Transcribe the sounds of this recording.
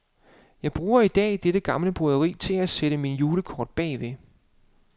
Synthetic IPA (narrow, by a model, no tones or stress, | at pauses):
jɑ̈ɪb̥ʁuːɐid̥ɛ̰ːd̥eɾ̥əɡ̥ɑ̈mləb̥ʁuðˠɐʁḭːt͡sʰe̝læseɾ̥əminjuːləkʰɒːd̥̚b̥ɛ̰ːʋe̝